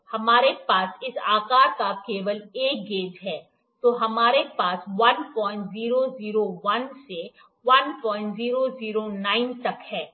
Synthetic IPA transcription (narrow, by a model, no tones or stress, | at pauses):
hɐmaːɾepaːsɪsaːkaːɾkakeːʋəleːk̚ɡeːd͡ʒɦɛː | t̪oːɦɐmaːɾepaːsʋɐnpɔ̃ːɪ̃ɳʈziːɾoziːɾoʋɐnse | ʋɐnpɔ̃ːɪ̃ɳʈziːɾoziːɾonaːɪnt̪ɐkhɛː